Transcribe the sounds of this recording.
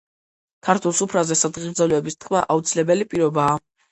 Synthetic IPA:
kʰaɾt̪ʰwɛlˠsupʰɾazɛsad̪ʁivd̪zalɛɛbist̪ʰkʰma̰ʔaut̪sʰilɛbɛlipʼiɾɔbaː

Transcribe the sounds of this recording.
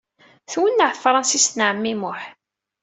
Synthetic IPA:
θwənːəʕθfɾˤɑnsist̪nʕəmːimʊħ

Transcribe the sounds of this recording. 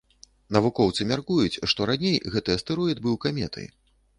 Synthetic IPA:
nɐvukɔwt̪sɨmʲarkujut͡sʲʂt̪ɔɾanʲejɣɛt̪ɨjɐst̪ɨɾɔjɛd̪bɨwkamʲɛ̰t̪ʰɐ̰j

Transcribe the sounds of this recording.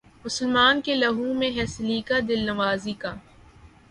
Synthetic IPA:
mʊsəlmaːnkelɐɦũmẽɦɛːsliːkad̪ɪlnɐʋaːzikaː

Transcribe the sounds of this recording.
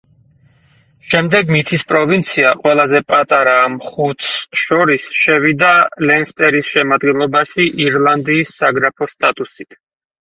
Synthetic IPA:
ʃɛmd̪ɛɡmit̪ʰispʼɾɔvint̪sʰiaqʼwɛlˠazɛpʼat̪ʼaɾaːmχut̪ʰʃɔɾisʃɛvid̪alɛnst̪ʼɛɾisʃɛmad̪ɡɛnlˠɔbaʃiʔiɾlˠand̪iːsːaɡɾapʰɔst̪ʼat̪ʼusit̪ʰ

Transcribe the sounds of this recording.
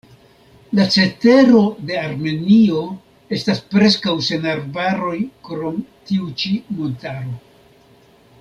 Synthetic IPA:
lat͡se̞te̞ɾo̞de̞aɾme̞nio̞ | e̞staspɾe̞skawse̞naɾbaɾo̞jkɾo̞mtiut͡ʃimo̞ntaɾo̞

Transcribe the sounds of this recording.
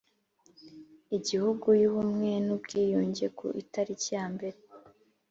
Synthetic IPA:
iɟihuɡujuβumŋenubɡiːjoːɲɟekʰṵʔitaɾicjaːmbe̞ɾe

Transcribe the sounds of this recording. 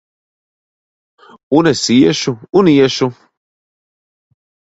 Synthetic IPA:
unɛsijɛʃuunijɛʃu

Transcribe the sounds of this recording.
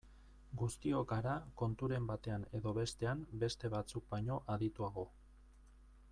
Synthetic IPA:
ɡust̪io̞kaɾako̞nt̪uɾe̞mbat̪e̞ane̞ðo̞βe̞st̪e̞ambe̞st̪e̞βat͡suk̚baɲo̞ʔaðit̪uaɣo̞

